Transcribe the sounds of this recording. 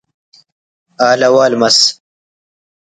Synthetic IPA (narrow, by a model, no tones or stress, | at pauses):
aːlɐwaːlmɐs